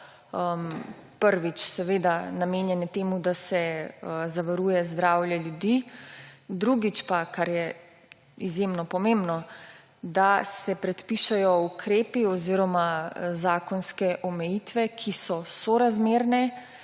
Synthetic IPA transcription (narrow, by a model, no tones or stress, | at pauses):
əmpəɾʋit͡ʃsɛʋeːd̪anamenjɛnɛt̪eːmud̪asɛzaʋaɾuːjɛzd̪ɾaːwjɛljud̪i | d̪ɾuɡit͡ʃpakaɾjɛ | izjemnɔpɔmembnɔ | d̪asɛpɾɛt̪piʃɛjɔukɾeːpiɔziɾɔmazaːkɔnskɛʔɔmɛjit̪ʋɛkʰisɔsɔɾazmeːɾnɛ